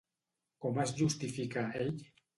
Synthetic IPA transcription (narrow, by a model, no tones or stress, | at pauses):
komazʝust̪ifikaej